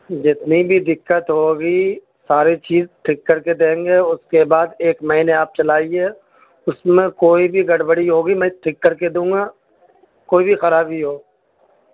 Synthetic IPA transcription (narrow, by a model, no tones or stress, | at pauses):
d͡ʒɪt̪nibʱid̪ɪkːət̪ɦoːɡi | saːɾit͡ʃiːzʈ̪ʰɪkːɐɾked̪ẽːŋɡeʊskebaːd̪eːkmɐɦiːneaːp̚t͡ʃɐlaːieː | ʊsmẽkoːibʱiɡɐɽbəɽiɦoːɡimɛ̃ʈ̪ʰɾɪkːɐɾked̪ũːŋɡaː | koːibʱixɐɾaːbʱiɦoː